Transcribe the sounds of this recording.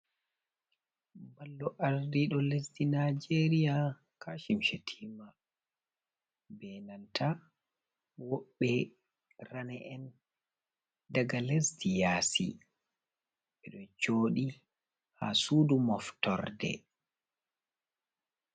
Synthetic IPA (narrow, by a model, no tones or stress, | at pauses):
balːɔʔaɾdiɗɔlesdinad͡ʒeɾija | kʰaʃimʃetʰima | bɛnantʰa | wɔɓːɛ | ranɛʔɛn | daɡalesdijaːsḭ | ʔɛɗɔt͡ʃoːɗi | ha̰sudumɔftɔ̰ɾdɛ̰